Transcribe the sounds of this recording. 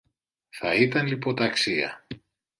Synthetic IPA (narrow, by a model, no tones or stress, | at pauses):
θɐit̪ɐnlipo̞t̪ɐksiɐ̰